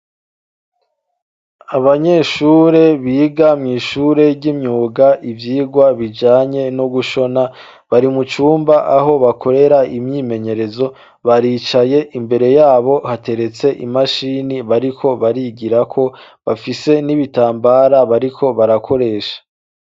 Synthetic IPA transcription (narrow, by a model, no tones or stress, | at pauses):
aβaɲe̞ːʃuːɾe̞βiːɡamŋiːʃuɾe̞ɟimɲuːɡaʔivjiːɡwaβid͡ʒaːɲe̞noɡuʃo̞na | βaɾimut͡ʃuːmbaʔaɦo̞βakʰo̞ɾe̞ɾaimɲiːmeɲe̞ɾe̞zo̞ | βaɾiːt͡ʃaje̞ʔimbe̞ɾe̞jaːβo̞hate̞ɾe̞t͡se̞ʔḭmaʃiniβaɾikʰo̞βaɾiɡiɾakʰo̞ | βafise̞niβitaːmbaɾaβaɾikʰo̞βaɾakʰo̞ɾe̞ːʃḁ